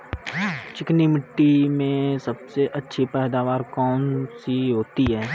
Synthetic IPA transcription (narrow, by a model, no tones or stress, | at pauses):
t͡ʃɪknimɪʈːimẽsɐbseʔɐtːʃʰipɛɦd̪aːʋaːɾkɔːnsiɦoːt̪iɦɛː